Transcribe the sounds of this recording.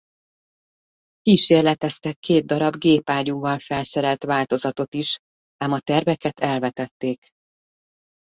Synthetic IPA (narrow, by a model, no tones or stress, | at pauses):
kiːʃeːrlɛt̪ɛst̪ɛkʰːeːd̪̚d̪ɒɾɒbɡeːpaːɟuːvɒlfɛlsɛɾɛlt̪ʋaːlt̪o̞zɒt̪o̞t̪iʃ | aːmɒt̪ɛrvɛkɛt̪ʰɛlvɛt̪ɛt̪ːeːk